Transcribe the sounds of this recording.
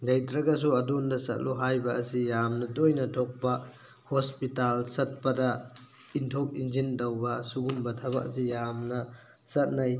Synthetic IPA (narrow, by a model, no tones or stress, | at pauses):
dɐjtɾɐɡɐs̬uɐdundɐsɐ̰t̚luɦajbɐɐsijamnɐdojnɐtʰok̚pɐ | hospitalsɐt̚pɐdɐ | intʰok̚ind͡ʒindɐwbɐsuɡumbɐtʰɐbɐ̰ʔɐ̰sijamnɐ | sɐt̚nɐj